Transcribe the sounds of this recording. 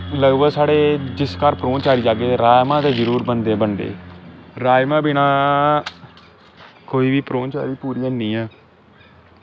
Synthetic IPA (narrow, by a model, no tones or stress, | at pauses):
ləɡbəɡsaːɽeːd͡ʒɪskəɾpɾõːnt͡ʃaːɾiːd͡ʒaːɡeːɾaːjmãːd̪eːd͡ʒəɾuːɾbənd̪eːbənd̪ḛːɾaːjmãːbinãː | koːiːʋiːpɾoːnt͡ʃa̰ːɾiːpuːɾiːãːnĩːɛː